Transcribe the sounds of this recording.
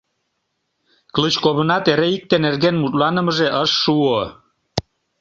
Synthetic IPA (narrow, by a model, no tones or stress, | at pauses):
klət͡ɕkoβənɑt̪eɾeik̚t̪enerɣenmut̪lɑnə̆məʒeʔəʃːuo